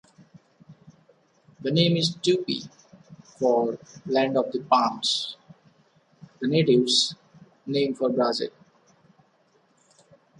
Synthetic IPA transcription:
d̪ənẽːmɪzʈjuːpḭ | fɔːɾlæ̃ɳɖɔʋd̪əpãːms | d̪əneːʈɪʋz | nẽːmfɔːɾbɾaːzɪ̰l

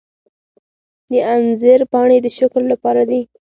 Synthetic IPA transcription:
d̪əanzəɾpɑɳ̃ed̪əʃaklːapɑɾad̪i

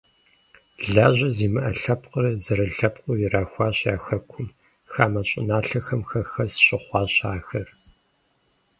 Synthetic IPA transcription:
ɮaːʑɐziːmɨʔɐɬɐpqərzɐɾɐɬɐpqʷʼʊjɪraːxʷɑːɕjaːxɐkʷʰʊm | xaːmɐɕʼɪ̰naːɬɐxɐmxɐxɐsɕʼɪχʷɑːɕaːxɐr

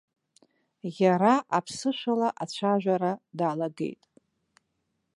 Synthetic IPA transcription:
jaɾaʔapʰsɨʂʷalaʔat͡ɕʷʰaʒᶣʷaɾadaːlaɡḛjtʼ

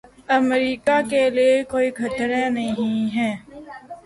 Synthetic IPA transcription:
əmɾiːkakeliekoːikʰət̪ɾenɐɦĩɦɛː

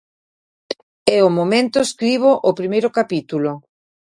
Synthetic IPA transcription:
ɛomomẽnt̪ʊeskɾiβ̞oʔopɾimejɾʊkapit̪ulo

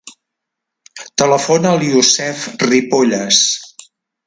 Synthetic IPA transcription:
t̪ələfonəliusɛfripoʎəs

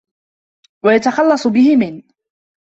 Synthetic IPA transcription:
wajat̪axɑlːɑsˤʊbɪhɪmɪn

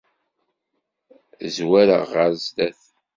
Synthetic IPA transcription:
zwæɾə̰ʁəɾzd̪æθ

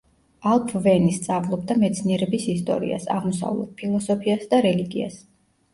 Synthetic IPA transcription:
alˠpʰvɛnist̪sʼavlˠɔb̚d̪amɛt̪sʰniɛɾɛbisist̪ʼɔ̰ɾḭa̰sa̰ʁmɔsa̰vlˠɔ̰d̪̥̚pʰilˠɔsɔpʰiasd̪aɾɛliɡia̰s

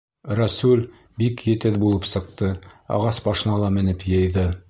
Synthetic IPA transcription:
ɾæsulʲ | bikjɘ̆t̪ɘðbulˠɤpsɤ̆qt̪ɤɑ̰ʁɑsbɑʃɤ̆nɑlˠɑmɘ̆nɘpjɤ̆jðɤ

